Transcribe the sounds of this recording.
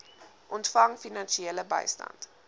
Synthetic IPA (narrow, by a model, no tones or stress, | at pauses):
ʔɔntfɐŋfinɐnʃieləbə̰jstɐ̰nt